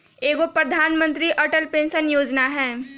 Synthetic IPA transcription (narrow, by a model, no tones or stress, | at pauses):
eːɡopɾɐd̪ʱaːnmə̃nt̪ɾiʔɐʈəlpẽːnsənjoːd͡ʒnaɦɛː